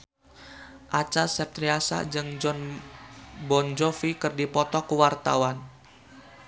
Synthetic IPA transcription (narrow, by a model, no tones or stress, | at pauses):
ʔat͡ʃasɛp̚t̪ɾiasa̰d͡ʒɨŋd͡ʒɔn | bɔnd͡ʒɔfikɨrdipɔt̪ɔkuwart̪a̰wan